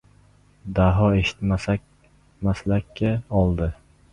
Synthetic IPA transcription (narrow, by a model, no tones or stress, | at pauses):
d̪aɦɒe̞ʃɪ̥t̪masa | maslakʲːaɒlˠd̪ɪ